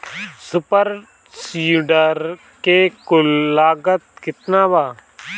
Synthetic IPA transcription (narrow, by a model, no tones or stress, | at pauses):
sʊpəɾ | siːɖəɾ | kekʊlːaːɡət̪̚kɪt̪naːʋaː